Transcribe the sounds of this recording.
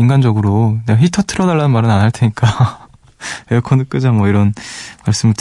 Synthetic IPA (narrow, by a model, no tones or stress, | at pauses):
inɡand͡ʑʌɡɯɾoneɡaçitʰʌtʰɯɾʌdaɭːanɯnmaɾɯnanaɭtʰeɲik͈a | ekʰʌnɯk͈ɯd͡ʑamwʌiɾʌnmaɭs͈ɯmɯɭtʰ